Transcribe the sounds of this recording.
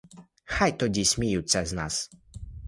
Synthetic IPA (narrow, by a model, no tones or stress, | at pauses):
xajt̪ɔd͡ʑiɕmʲijut̪sɛznas